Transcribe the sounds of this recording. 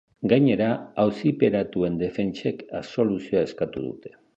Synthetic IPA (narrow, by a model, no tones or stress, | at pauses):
ɡajɲe̞ɾaawsipe̞ɾat̪ue̞nd̪e̞fe̞nt͡ʃe̞kaso̞lusioae̞skat̪uðṵt̪e̞̥